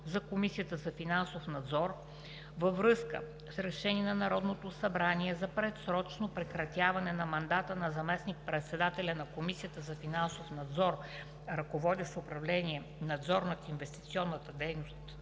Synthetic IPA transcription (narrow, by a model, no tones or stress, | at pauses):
zɐkomisijət̪əzɐfinansofnɐd̪zɔɾ | vɐvɾɤskə̰ | sɾɛʃɛniɛnɐnɐɾɔd̪not̪osɐbɾaniɛzɐpɾɛt̪sɾɔt͡ʃnopɾɛkɾɐt̪ʲjavɐnɛnɐmɐnd̪at̪ənɐzɐmɛsnik̚pɾɛt̪sɛd̪at̪ɛlʲɐnɐkomisiət̪əzɐfinansofnɐd̪zɔɾ | ɾɐkovɔd̪ɛʃt̪oʊpɾɐvlɛniɛ | nɐd̪zɔɾnɐt̪invɛst̪i̥t̪siɔnːət̪əd̪ɛjnost̪